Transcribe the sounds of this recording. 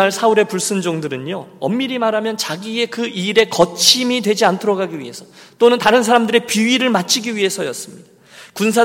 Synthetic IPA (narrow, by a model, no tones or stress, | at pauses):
aɭsʰauɾe̞puɭs͈ɯnd͡ʑoŋdɯɾɯɲoʌmːiɾimaɾamjʌnt͡ɕaɡie̞kɯʔiɾe̞kʌt͡ɕʰimidwe̞d͡ʑiantʰɯɾʌɡaɡiɥḭɦe̞sʰʌt͈onɯntaɾɯnsʰaɾamdɯɾe̞piɥiɾɯɭmat͡ɕʰiɡiɥiɦe̞sʰʌjʌs͈ɯmɲid̥a | kuns̬ʰa